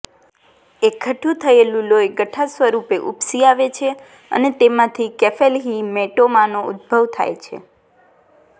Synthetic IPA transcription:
ekʰːəʈʰũt̪ʰəelũlojeɡəʈʰasʋəɾupeʔupsiaʋet͡ʃʰe | ə̰net̪emãt̪ʰikefelɦimeʈomãnoṵd̪̚bʱəʋt̪ʰa̰jt͡ʃʰḛ

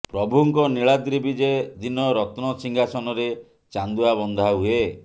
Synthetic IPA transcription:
pɾɔbuŋkɔniɭad̪ɾibʱid͡ʒed̪inɔɾɔt̪nɔsiŋɡʱasɔnɔɾe | t͡ʃand̪uabɔnd̪ʱaɦue

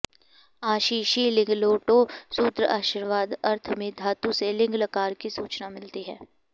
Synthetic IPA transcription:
aːʃiːʃilɪ̃ŋɡloːʈosuːt̪ɾəaːʃiɾʋaːd̪ɐɾt̪ʰmẽd̪ʱaːt̪ũselɪ̃ŋɡləkaːɾkisuːt͡ʃnamɪlt̪iɦɛ̰ː

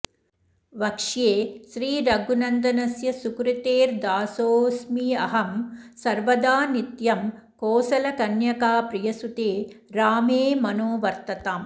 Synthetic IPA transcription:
ʋɐkʂjeːʃɾiːɾɐɡunɐnd̪ɐnɐsjɐsukɾit̪eːɾd̪aːsoːsmiɐɦɐmsɐɾʋɐd̪aːnit̪jɐm | koːsɐlɐkɐnjɐkaːpɾijɐsut̪eːɾaːmeːmɐnoːʋɐɾt̪ɐt̪aːm

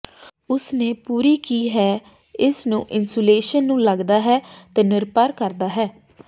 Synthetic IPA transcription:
ʊsneːpuːɾiːkiːɦɛː | ɪsnũːʔɪnsoːleːʃənːũːləɡd̪aːɦɛːt̪eːnɪɾpəɾkəɾd̪aːɦɛː

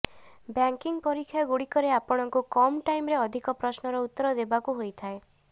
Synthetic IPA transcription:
bjaŋkiŋpɔɾikʰːjɔɡuɽikɔɾeapɔɽ̃ɔŋkukɔmʈajmɾeɔd̪ʱikɔpɾɔsnɔɾɔut̪ːɔɾɔd̪ebakuɦojt̪ʰae

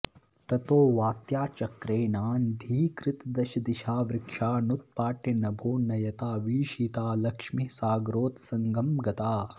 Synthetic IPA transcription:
t̪ɐt̪oːʋaːt̪jaːt͡ʃɐkɾeːnaːnd̪ʱiːkɾɪt̪d̪ɐʃɐd̪iʃaːʋɾɪkʂaːnut̪̚paːʈjɐnɐbʱoːnɐjɐt̪aːʋiːʃiːt̪aːlɐkʂmisaːɡɾoːt̪sɐŋɡɐmɡɐt̪aː

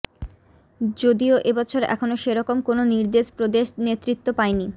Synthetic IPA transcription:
d͡ʑod̪ioʔebɔt͡ɕʰoɾʔɛ̰kʰonoʃeɾɔkomkononiɾd̪eʃpɾod̪eʃnet̪ːɾit̪ːopaeni

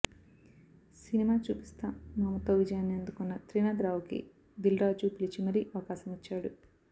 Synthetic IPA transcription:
sinimaːt͡ʃṵːpi̥st̪ɐmɐːmɐt̪o̞ːʋid͡ʒɐjaːnːiɐnd̪ukunːɐt̪ɾinaːd̪ɾaːwukḭ | d̪ilɾaːd͡ʒupilit͡ʃimɐɾiʔɐʋɐkaːsɐmit͡ʃːaːɽu

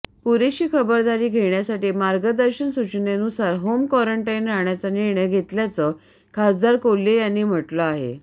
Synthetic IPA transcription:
puɾeɕiːkʰəbəɾd̪aɾiːɡʱeɳjasaʈiːmaɾɡəd̪əɾɕənsut͡ɕnenusaɾɦomkɔɾəɳʈainɾaɳjat͡saniɾɳəjɡʱet̪ljat͡sə | kʰasd̪aɾkolːejanːiːm̤əʈləaɦḛ

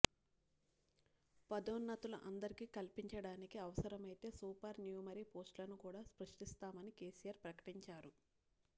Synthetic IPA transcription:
pɐd̪oːnːɐt̪uluʔɐnd̪ɐɾikiːkɐlpiɲt͡ʃɐɽaːnikiɐʋɐsɐɾɐmɐjt̪e̞ːsuːpɐɾnjuːmɐɾipo̞ːsʈlɐnukuːɽaːspɾɐʂʈist̪aːmɐnikeːsijɐɾpɾɐkɐ̥ʈiɲt͡ʃaːɾu

